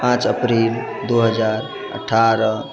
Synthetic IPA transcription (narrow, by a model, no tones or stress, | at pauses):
pãt͡ʃəpɾil | d̪uɦəd͡ʒaɾ | ə̰ʈʰːaɾə